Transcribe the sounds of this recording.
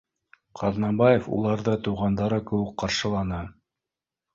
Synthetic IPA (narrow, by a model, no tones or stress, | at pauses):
qʰɑðnɑbɑjefṵlˠɑɾðɤt̪uwʁɑnd̪ɑɾɤkɘ̆wɘkqɑɾʃɤ̆lˠɑnɤ